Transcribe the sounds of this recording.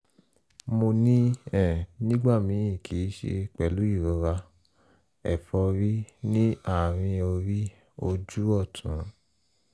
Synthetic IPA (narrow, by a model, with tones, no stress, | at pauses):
mo˧nĩ˦ɛ̃˦˨nĩ˦ɡ͡ba˦˨mĩ˨˦ĩ˦˨kʰi˨˦ʃḛ˧k͡pɛ˨lu˨˦i˦˨ɾɔ˧˦ɾa˧ | ɛ̰˨fɔ˧ɾi˦nĩ˦a˦˨ɾ̃ĩ˧o˧ɾi˦ | o˧d͡ʒu˦ɔ˦˨tʰũ˨˦